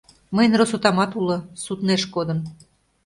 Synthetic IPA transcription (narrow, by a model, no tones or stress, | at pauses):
məjnrosut̪ɑmɑt̪ulŏsut̪neʃkod̪ə̆n